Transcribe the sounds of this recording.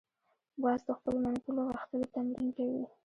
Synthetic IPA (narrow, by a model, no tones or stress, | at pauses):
bɑzd̪əxpəlomankuloɣaxt̪alet̪anɾimkawi